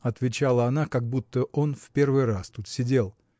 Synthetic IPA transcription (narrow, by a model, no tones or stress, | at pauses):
ɐt̪vʲɪt͡ɕalˠəɐnakɐɡ̚but̪ːəʔo̞nfʲpʲe̞rvɨjrast̪ut̪sʲɪdʲe̞lˠ